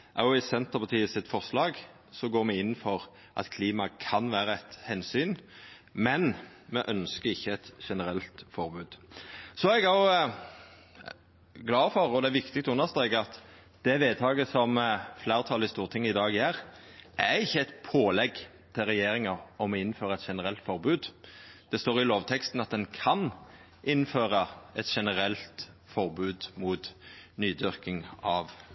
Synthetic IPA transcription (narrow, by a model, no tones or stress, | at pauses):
ʔɑjʊɪsɛnt̪əʁpʰɑt̪ʰiːəsɪt̪fɔʁslɑːɡ | sɔɡoːɾmɛɪnːfɔʁ | ʔɑ̰t̪kʰliːmɑkʰɑnʋæːɾəɛt̪hɛnsyːn | mɛn | mɛʔœnskəɾɪçːəɛt̪ʃɛnəɾɛlt̪fɔɾbʉːd̪̥sɔɛɡɑ | ɡlɑːfɔɾɔd̪ɛæʋɪkt̪ɪk̚t̪ʊnːəst̪ɛɪɡɑt̪ | d̪̥ɛʋeːd̪t̪ʰɑːɡəsɔmflæːʁt̪ʰɑlɪst̪uːʁt̪ʰɪŋːɪd̪ɑːɡæʁ | ʔæɾɪçːəɛɪt̪pʰoːlɛɡ | t̪ʰɪlɾɛjeːɾɪŋɑɔmɔɪnːføːʁəɛt̪ʃɛnəʁɛlt̪fɔʁbʉːd̪d̪̥ɛst̪oːʁɪloːʋt̪ʰɛkst̪n̩ɑt̪̚d̪ɛnkʰɑn | ʔɪnːføːʁəɛt̪ʃɛnəʁɛlt̪fɔʁbʉːd̪muːt̪nyːd̪ʏʁkɪŋɑʋ